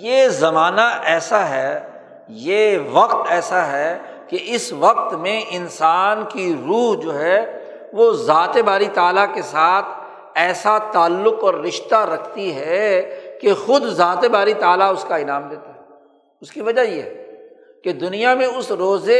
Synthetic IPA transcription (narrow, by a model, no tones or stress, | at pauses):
jeːzɐmaːnaʔɛːsaɦɛ | jeʋɐqt̪ɛːsaɦɛ | keɪsʋɐq̚t̪mẽɪnsaːnkiɾuːɦd͡ʒoːɦɛ | ʋozaːt̪ebaːɾit̪aːlakesaːt̪ʰ | ɛːsat̪aːlːʊqɔːɾːɪʃt̪aɾɐkʰt̪iɦɛkexʊd̪zaːt̪ebaːɾit̪aːlaʊskaɪnaːmd̪eːt̪aɦɛː | ʊskiʋɐd͡ʒajeɦɛː | ked̪ʊnijamẽʊsɾoːze